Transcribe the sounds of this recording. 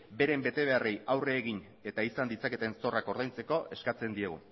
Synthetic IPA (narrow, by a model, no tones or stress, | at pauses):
be̞ɾe̞mbe̞t̪e̞β̞e̞arejawre̞ːɣ̞iɲ | e̞t̪aisand̪it͡sake̞t̪e̞nso̞rako̞ɾðajnt͡se̞ko̞ʔe̞skat͡se̞nd̪ie̞ɣṵ